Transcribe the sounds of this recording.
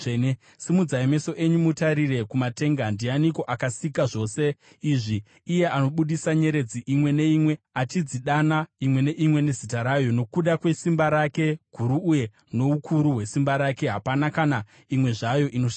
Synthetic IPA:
ne | simud͡zaime̞so̞ʔe̞ɲumutaɾire̞kumate̞ŋɡandianiko̞ʔakasikaʐo̞ːse̞ | iʐiː | je̞ʔano̞ɓuɗisaɲe̞ɾe̞d͡ziʔimwe̞ne̞imwe̞at͡ʃid͡ziɗanaimwe̞ne̞ʔimwe̞ne̞zitaɾajo̞no̞kuɗakwe̞simbaɾake̞ɡ̥ʱuɾuːje̞ | no̞ukʰuɾuɦwe̞simbaɾake̞ɦapanakana | imwe̞ʐajo̞ʔino̞ʃa

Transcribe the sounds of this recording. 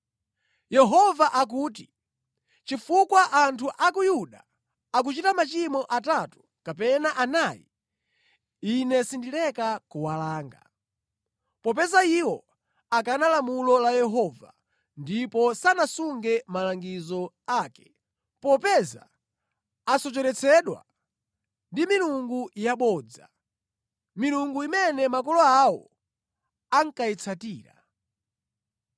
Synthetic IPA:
jɛɦɔvaʔak̬uːt̬i | t͡ʃifukwaʔantʰuʔakujuɗa | ak̬ut͡ʃitamat͡ʃimɔʔatatu̥ | kapɛnaʔanajḭ | inɛsindilɛkakuwalaːŋɡa̰ | pɔp̬ɛzaiwɔ | akanalamulɔlajɛɦɔva̰ | ndipɔsanasuŋɡɛmalaŋɡizɔ | aːkɛ̥ | pɔpɛza̰ | asɔt͡ʃɛɾɛt͡sʰɛɗwa̰ | ndimiluŋɡujaɓɔːd͡za̰ | miluŋɡuimɛnɛmakɔlɔawɔ̰ | aŋ̩kait͡sʰatiːɾa̰

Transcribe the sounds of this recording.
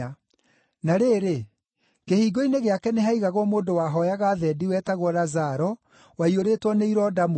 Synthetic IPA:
naɾeɾe | kehiːɡoineɣeakɛneɦaiɣaɣwɔmoːndowaːɦɔjaɣaːðɛdiwɛːtaɣwɔɾazaɾɔ | waioɾeːtwɔneiɾɔdamo

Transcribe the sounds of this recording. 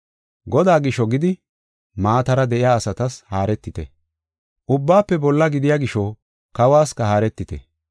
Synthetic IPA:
ɡɔd̪aːɡɪʃːɔɡɪd̪ɪ | maːt̪ɐɾɐd̪ɛʔɪjaːsɐt̪ɐshaːɾɛt̪ːɪt̪ɛ̰ | ʔʊbːaːpːɛbɔlːɐɡɪd̪ɪjaɡɪʃɔ | kɐwaːskɐhaːɾɛt̪ːɪt̪ɛ̰

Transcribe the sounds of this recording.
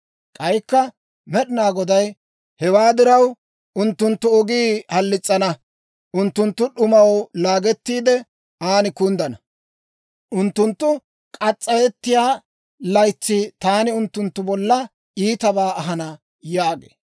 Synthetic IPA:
kʼɐjkːɐ | mɛɗɪnaːɡɔd̪ɐj | hɛwaːd̪ɪɾɐw | ʔʊnt̪ːʊnt̪ːʊɔɡiːhɐlːɪt͡sʼːɐnɐ | ʔʊnt̪ːʊnt̪ːʊɗʊmɐwlaːɡɛt̪ːiːd̪ɛ | aːnɪkʊnd̪ɐnɐ | ʔʊnt̪ːʊnt̪ːʊ | kʼɐt͡sʼːɐjɛt̪ːɪjaː | lɐjt͡sːɪt̪aːnɪʊnt̪ːʊnt̪ːʊbɔlːɐ | iːt̪ɐbaːɐɦɐnɐ | jaːɡḛː

